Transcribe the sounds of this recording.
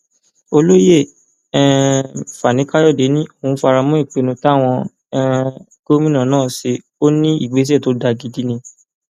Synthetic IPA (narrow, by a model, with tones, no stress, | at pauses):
o˧lo˦je˦˨ | ɛ̃˦˧fa˨nĩ˨˦ka˦jɔ˦˨de˨˦nĩ˦o˦˨ũ˨˦fa˧ɾa˧mɔ̃˦i˦˨k͡pe˨˧˦nũ˧ta˦˨w̃ɔ̃˧ | ɛ˦ | ɡ̥o˦mĩ˦nã˦˨nãː˦˨ʃe˧ | o˦nĩ˦ḭ˦˨ɡ͡be˨˦s̬ɛ˦˨to˨˦da˧ɡi˧di˦nĩ˧